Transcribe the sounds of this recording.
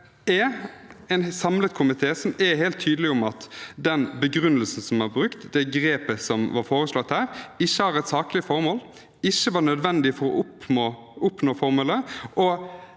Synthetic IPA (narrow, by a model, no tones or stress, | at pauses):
ɛɛnsɑmlət̪kʰʊmɪt̪ʰeːsɔmɛhɛːlt̪ʰːyːd̪əlɪʊmɑt̪d̪ɛnbəɡɾʉnəlsn̩sɔmæɾbɾʉkt̪d̪ɛɡɾeːpəsɔmʋɑɾfoːɾəslɔt̪hæːɾɪçːəhɑɾɛt̪sɑːklɪəfɔɾmoːl | ɪçːəʋɑːɳœd̪ʋɛnd̪ɪfɔɾɔ̰ʔʊpnoː | ʔʊpnoːfɔɾmoːləʔɔ